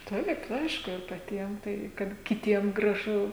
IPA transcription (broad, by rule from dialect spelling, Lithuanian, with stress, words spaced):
ˈtɐɪp ˈɐɪʃkʊ ɪr pɐˈtʲiɛm tɐɪ kɐt kʲɪˈtʲiɛm ɡrɐˈʒʊ